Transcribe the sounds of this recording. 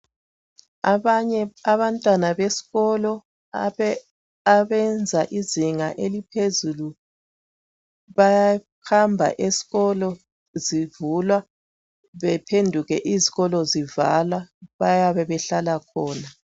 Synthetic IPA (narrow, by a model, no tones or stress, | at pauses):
aβɲɛaβantʼwanaβesi̥ɣɔlɔ | aβɛnd͡zʱaʔiziŋaʔelipʰezulu | βaja | xambʱa̰ʔesi̥ɣɔlɔ | zivulwa | βɛpʰendʱuɣɛʔiziɣɔlɔzivalaβajaβɛβɛɬalakʰɔːna